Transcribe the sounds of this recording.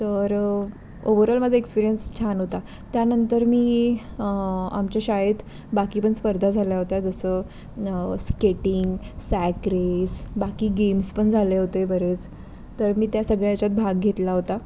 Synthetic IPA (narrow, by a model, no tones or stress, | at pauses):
t̪əɾ | oʋəɾəlmad͡zʱaekspiɾijənst͡ɕʰanɦot̪a | t̪janənt̪əɾmiː | a̰mt͡ɕjaɕaɦet̪ | bakiːpəɳspəɾd̪ʱad͡zʱaljaɦot̪ad͡zəsəː | skeʈiŋɡsækɾesbakiːɡemspəɳd͡zʱaleɦot̪ebəɾet͡s | t̪əɾmiːt̪jasəɡɭjat͡ɕat̪̚bʱaɡɡʱet̪laɦot̪a